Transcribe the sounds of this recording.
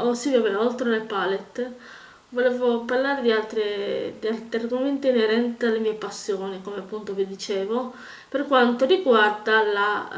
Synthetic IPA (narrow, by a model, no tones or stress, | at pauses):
osivjavenaolt̪ɾelepalet̪ː | volɛːvoparlaːɾed̪ialt̪ɾed̪ialt̪ɾiarɡoment̪iːneɾɛnt̪ealːemiːepasːjoːnikomeapːunt̪ovid̪it͡ʃeːvo | perkwant̪oriɡward̪ala